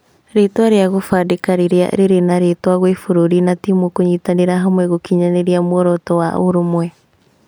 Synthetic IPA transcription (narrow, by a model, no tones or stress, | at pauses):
ɾetwaɾeaɣofadekaɾeɾea̰ɾeɾenaɾetwaɣwefoɾoɾinatimokoɲiːtaneɾaɦamwɛɣokiɲaneɾeamwɔɾɔtɔwaʔoɾomwɛ